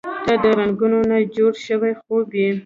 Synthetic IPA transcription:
d̪̥ad̪əɾaŋɡunonad͡ʒoɽʃəwajxobji

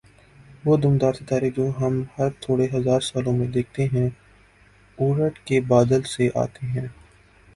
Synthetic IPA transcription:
ʋoːd̪ʊmd̪aːɾt̪it̪aːɾed͡ʒoːɦɐmhɐɾt̪ʰoːɽeɦɐzaːɾsaːlõmẽd̪eːk̚ʰt̪eɦɛ̃ | uːɾəʈkebaːd̪əlseʔa̰ːt̪eɦɛ̃ː

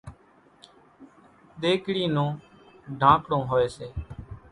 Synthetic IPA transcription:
ɗ̪eːkɽiːnũː | ɖʱãːkɽõːɦoːeːseː

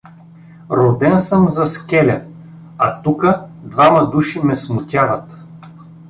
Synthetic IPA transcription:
ɾod̪ɛnsəmzɐskʲɛlʲɐ | ɐt̪ukəd̪vamɐd̪uʃimɛsmʊt̪ʲavət̪

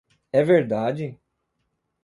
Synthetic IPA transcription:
ɛveɾd̪aːd͡ʒi

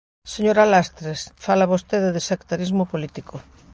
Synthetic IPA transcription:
seɲoɾalast̪ɾesfalaβost̪eðeðesakt̪aɾizmopolit̪ikʰo

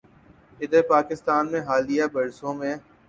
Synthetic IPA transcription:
ɪd̪əɾpaːkɪst̪aːnmẽɦaːlijabɐɾsõmẽ

